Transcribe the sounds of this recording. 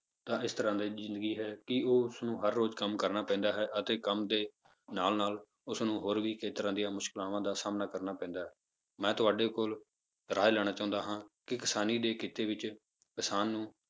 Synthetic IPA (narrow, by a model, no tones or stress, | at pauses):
t̪ãːɪst̪əɾãːd̪iːzɪ̃nd̪əɡiːɦɛːkɪoːʊsnũːɦəɾːoːd͡ʒkəmkəɾnaːpɛ̃ːnd̪aːɦɛːʔət̪eːkəmd̪eː | naːlnaːl | ʊsnũːɦoːɾʋiːkʰeːt̪əɾãːd̪ijãːmʊʃkɪlaːʋãːd̪aːsaːmnaːkəɾnaːpɛ̃ːnd̪aːɦɛː | mɛ̃ːt̪ʊaːɖeːkoːl | ɾaːelɛːɽ̃aːt͡ʃaːʊ̃nd̪aːɦãːkɪkɪsaːniːd̪eːkɪt̪eːʋɪt͡ʃ | kɪsaːnːũː